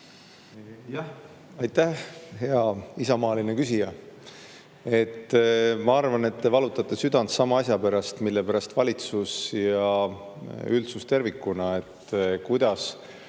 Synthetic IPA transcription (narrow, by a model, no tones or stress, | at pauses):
jæh | ɑjt̪ːæhheɑisɑmɑːlinekysijɑ | e̞t̪ːˑmɑɑrvɑne̞t̪ːe̞vɑlut̪ːˑɑt̪ːˑe̞syd̪̥ɑnd̪sɑmɑɑsjɑpæɾɑst̪milːe̞pæɾɑst̪vɑlʲit̪susjɑ | ylt̪sust̪e̞rvikːˑunɑe̞t̪ːkujd̪̥ɑs